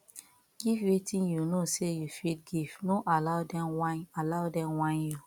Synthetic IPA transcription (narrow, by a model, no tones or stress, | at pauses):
ɡivwetĩnjunosejufidɡivnoʔalaʊdɛaalaʊdɛ̃mwãnju